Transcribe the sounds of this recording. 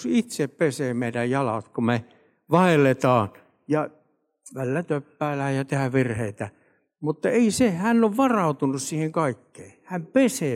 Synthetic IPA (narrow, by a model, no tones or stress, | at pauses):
sit̪seppeseːmeˑidæjjɑlɑ̰t̪kume | ʋɑelːet̪ɑːn | jɑ | ʋælːæt̪øpːæːlæhæjjɑt̪ehæʋʋirheit̪æ | mut̪ːɑeisehænːoʋʋɑrɑˑut̪unussiːheŋkɑikːeːhæmpeseː